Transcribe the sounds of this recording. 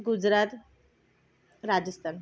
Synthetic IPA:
ɡud͡zɾat̪ | ɾad͡ʑəst̪ʰan

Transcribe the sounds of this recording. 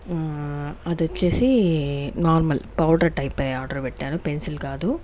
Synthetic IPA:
ɐd̪ɐt͡ʃːeːsinaːɾmɐlpɐwɖɐɾʈɐjpeaːɾɖɐɾbiʈːaːnupensilɡaːd̪u

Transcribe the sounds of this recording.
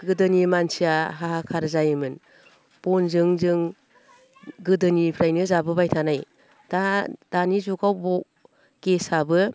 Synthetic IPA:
ɡɯdɯnimansijaɦaɦakʰaɾzajɯmɯn | b̥ɔnzɯŋzɯŋ | ɡɯdɯnipʰɾajnɯzabɯbajtʰanaj | d̥ad̥anizuɡawbɔk̚ | kesabɯ

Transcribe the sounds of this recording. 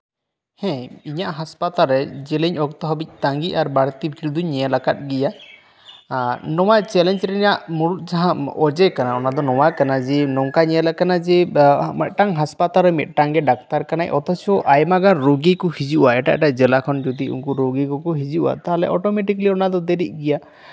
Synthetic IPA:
hɛ̃iɲaʔɦaspat̪aɾɛd͡ʒɛlɛɲɔkt̪ɔɦɔbic̚ˀt̪aŋɡiʔaɾbaɽt̪ibikʰɾid̪uɲɛalakat̪̚ɡija | nɔwajt͡ʃɛlɛnd͡ʒɾɛiɲaʔmuɽut̪̚d͡ʒaɦãɔd͡ʒɛkanaɔnad̪ɔnɔwajkanad͡ʒɛnɔŋkaɲɛɛlakanad͡ʒɛmɛt̪̚ˀʈaŋɦaspat̪alɾɛmɛt̪̚ˀʈaŋɡɛɖak̚t̪aɾkanajʔɔt̪ɔt͡ʃʰɔʔajmaɡaɾoɡikɔhid͡ʒiʔuʔaɛʈa̰ʔɛʈaʔd͡ʒɛlakʰɔnd͡ʒɔd̪iṵŋkɔɾoɡikɔkɔɦid͡ʒiʔṵʔa̰t̪aɦalɛ̰ʔɔʈɔmeʈikliɔnad̪ɔd̪ɛɾic̚ˀɡija

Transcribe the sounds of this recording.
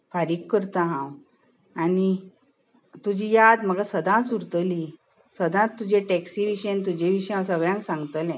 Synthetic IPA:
faɾikːəɾt̪ãɦãw | ani | t̪ud͡ʑijad̪m̤əɡasəd̪ʱãsuɾt̪əli | səd̪ʱãt̪ːud͡ʑẽʈɛksiʋiɕent̪̬ud͡ʑẽʋiɕjãwsəɡɭjãŋksãŋɡt̪əlɛ̃

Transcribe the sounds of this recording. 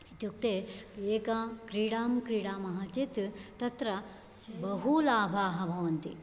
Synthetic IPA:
it̪juk̚t̪eeːkakɾiːɽaːmkɾiːɽaːmɐɦɐt͡ʃit̪t̪ɐt̪ɾɐ | bɐɦulaːbʱaːɦɐbʱɐʋɐnt̪ḭ

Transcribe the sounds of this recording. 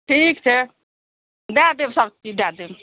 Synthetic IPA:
ʈʰikt͡ʃʰɛ | d̪ad̪ebsabt͡ʃid̪ad̪eb

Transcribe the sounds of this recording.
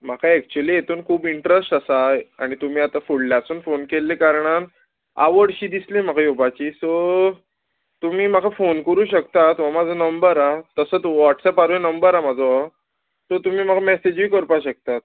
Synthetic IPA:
m̤akʰaɛk̚t͡ɕueliːjet̪ʰuːnkʰuːbiɳʈɾesʈasaaɽ̃it̪um̤iːat̪afuɽljat͡suːnfonkelːekaɾɳ̃an | a̰ʋəɽɕiːd̪islem̤akʰajobat͡ɕiːsɔ | t̪um̤iːm̤akʰafonkəɾuːɕəkt̪at̪ʋ̤amad͡zʱənəmbəɾat̪əsəːt͡sʋɔʈsɛpaɾjnəmbəɾamad͡zʱɔ | sɔt̪um̤iːm̤akamɛsed͡ʑʋiːkəɾpaɕək̚t̪at̪̚

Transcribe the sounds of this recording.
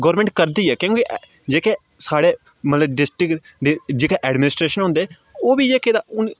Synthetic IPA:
ɡəːɾmẽɳʈ̚kəɾd̪iːɛːkjõːki | d͡ʒeːkeː | saːɽeː | mət̪ləbɖɪsʈɪk | ɖɪd͡ʒeːkeːʔɛːɖmɪnɪsʈɾeːʃənɦʊ̃nd̪eː | oːbiːd͡ʒeːked̪aʊn

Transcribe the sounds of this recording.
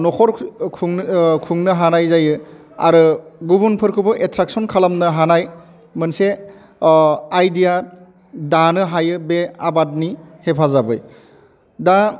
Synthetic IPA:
nɔkʰɔɾʰ | kʰuŋnɯɦanajzajɯ | a̰ɾɯɡubunpʰɯɾkʰɯbɯʔetʰɾak̚sɔnkʰalamnɯɦanaj | mɯnse | ajdija | danɯɦajɯbeabat̚nihepʰazabɯj | da

